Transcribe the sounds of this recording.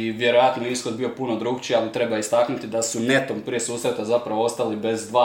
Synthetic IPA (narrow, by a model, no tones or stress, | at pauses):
iʋje̞ɾo̞jat̪noisxo̞d̪bio̞punod̪ɾuːɡt͡ɕialit̪ɾe̞baist̪aknut̪id̪asune̞t̪ompɾije̞suːsɾe̞t̪azapɾaʋoost̪alibe̞zd̪ʋaː